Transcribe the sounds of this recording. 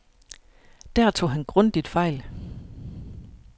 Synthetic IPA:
d̥æɐ̰t͡sʰo̝̰ːɦænɡ̥ʁɔ̽n̰d̥id̥fɑ̈ɪl

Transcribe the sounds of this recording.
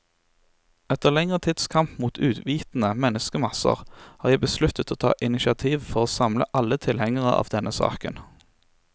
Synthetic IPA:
ɛt̪əʁlɛŋʁət̪ʰɪd̪̥skʰɑmpmuːt̪ʰʉːd̪ʋiːt̪n̩əmɛnəskəmɑsə̰ʁhɑːʁjæɪbəslʉt̪ət̪ʰoːt̪ʰɑ̰ːʔɪnɪʃɪɑt̪ʰiːʋfɔʁoːsɑmlə̰ʔɑlːət̪ʰɪlhɛŋəʁəɑ̰ːʋd̪ɛnʔəsɑ̰ːkən

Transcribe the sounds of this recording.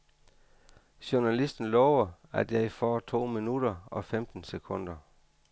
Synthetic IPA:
ɕonælisd̥n̩lɒʊɐæd̥æifɒːt͡sʰo̝̰ːminud̥ɐɒ̽femd̥n̩sekʰɔ̽n̰d̥ɐ

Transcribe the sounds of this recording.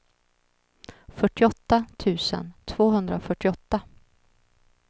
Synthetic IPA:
fœʈːɪɔt̪ːat̪ʰʉ̟ːsə̰nt̪ʰv̥oːɦɵnd̪ɾafœʈːɪɔt̪ːa

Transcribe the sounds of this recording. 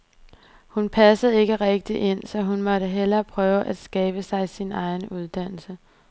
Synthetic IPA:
hunpʰæsəð̞̩ˠe̝ɡ̥əʁɛɡ̥̚d̥iʔe̝n̰sɒ̽ɦunmɒ̽ɾəɦel̰ɐːpʰʁœːʊəʔæd̥sɡ̥ɛːb̥əsɑ̈ɪsinɑ̈ɪnuð̞ˠd̥æn̰l̩sə

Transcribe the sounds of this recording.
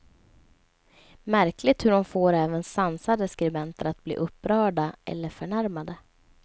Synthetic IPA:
mæɾkʰlɪɡ̚t̪hɵɖɔmfoːɾɛːvənsansad̪əskɾɪmɛnt̪əɾat̪̚b̥lḭːʔɵpːɾœːɖaʔɛ̰lːəɾfœɳæɾmad̪ə

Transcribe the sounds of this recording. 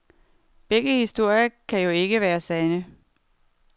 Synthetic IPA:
b̥eɡ̥əhisd̥o̝ɐ̰jɐkʰæjo̝e̝ɡ̥əʋæːɐsɛnə

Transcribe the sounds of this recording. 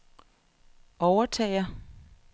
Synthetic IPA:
ɒʊɐt͡sʰɛ̰ːɪɐ

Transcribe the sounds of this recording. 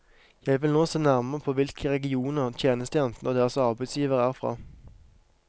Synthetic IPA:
jæɪʋɪlnoːseːnæʁməʁəpʰoːʋɪlkʰəʁɛɡɪuːnəʁt̪ʰjeːnəst̪əjɛnt̪n̩od̪eːʁəsɑʁbæɪsjiːʋəʁæːʁfʁɑ̰ː

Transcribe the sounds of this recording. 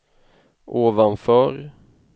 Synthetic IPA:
ʔoːvanfœːɾ

